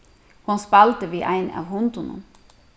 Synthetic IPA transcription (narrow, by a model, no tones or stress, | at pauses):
hʊnspælt̪əʋiːʔæɪnɑ̰ːʋhʊnt̪ʊnə̰n